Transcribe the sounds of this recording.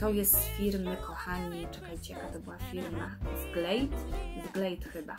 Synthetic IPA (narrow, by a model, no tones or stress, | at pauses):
t̪ɔwjɛst̪fʲiɾməkʰɔxaɲit͡ʂɛkajt͡ɕɛjakat̪ɔbɘwafʲiɾmazɡlɛjt̪zɡlɛjt̪xɘba̰